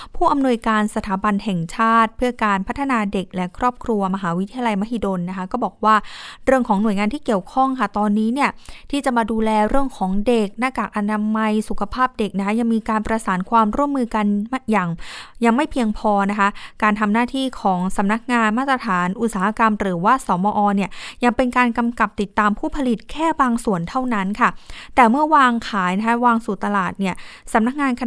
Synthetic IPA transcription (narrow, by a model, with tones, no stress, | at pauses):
pʰuː˥˩ʔa˧mnu˧əjkaː˧nsa˧t̪ʰaː˩˦ba˧nɦɛ˨˩ŋt͡ɕʰaː˥˩t̪̚pʰɯ˥˩əkaː˧npʰa˦˥t̪ʰːa˧naː˧de˨˩k̚lɛ˦˥kʰɾɔː˥˩p̚kʰɾu˧ɐma˧ɦaː˩˦wi˦t̪ʰːi˧ja˧la˧jma˦˥hi˧˩doː˧nːa˦˥kʰa˦˥kɔː˥˩bɔː˨˩k̚waː˥˩ɾɯ˥˩əŋkʰɔː˩˦ŋnu˨˩əjŋaː˧nt̪ʰiː˥˩ki˨˩əwkʰɔ˥˩ŋkʰa˥˩t̪ɔː˧nːiː˦˥ni˥˩ɐt̪ʰiː˥˩t͡ɕa˨˩maː˧duː˧lɛː˧ɾɯ˥˩əŋkʰɔː˩˦ŋde˨˩k̚naː˥˩t͡ɕaː˨˩k̚ʔa˧naː˧ma˧jsu˨˩kʰa˧pʰaː˥˩p̚de˨˩k̚na˦˥kʰa˦˥ja˧ŋmiː˧kaː˧npɾa˧saː˩˦nkʰwaː˧mɾu˥˩əmːɯː˧ka˧nm˥jaː˨˩ŋja˧ŋma˥˩jpʰi˧əŋpʰɔː˧na˦˥kʰa˦˥kaː˧nt̪ʰa˧mnaː˥˩t̪ʰiː˥˩kʰɔː˩˦ŋsa˩˦mna˦˥k̚ŋaː˧nmaː˥˩t̪ɾa˧t̪ʰaː˩˦nʔu˨˩t̪̚saː˩˦a˧ka˧mɾɯː˩˦waː˥˩sɔː˩˦mɔː˧ʔɔː˧ni˥˩əja˧ŋpe˧nkaː˧nka˧mka˨˩p̚t̪i˨˩t̪ːaː˧mpʰuː˥˩pʰa˧li˨˩t̪̚kʰɛː˥˩baː˧ŋsu˨˩ənt̪ʰa˥˩wna˦˥nkʰa˥˩t̪ɛː˨˩mɯ˥˩əwaː˧ŋkʰaː˨˩˦jna˦˥kʰa˦˥waː˧ŋsuː˨˩t̪a˧laː˨˩t̪̚ni˥˩ɐsa˩˦mna˦˥k̚ŋaː˧nkʰ